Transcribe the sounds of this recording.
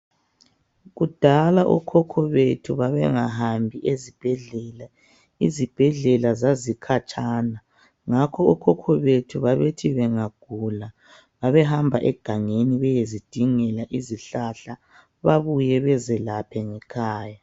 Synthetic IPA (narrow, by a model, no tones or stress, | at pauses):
ɣud̥ʱalaʔṵkʰɔkʰɔβetʰuβaβɛŋaɦambʱiʔezib̥ʱɛɮɛːla | izib̥ʱɛɮɛlazazikʰat͡ʃʼaːna | ŋakʰɔukʰɔkʰɔβetʰuβaβetʰiβɛŋaɡ̥ʱula | βaβɛɦambʱaʔɛ̰ɡ̥ʱaŋeniβɛjezid̥ʱiŋɛlaʔiziɬaɬa | βaβujɛβɛzɛlapʰɛŋɛkʰaːja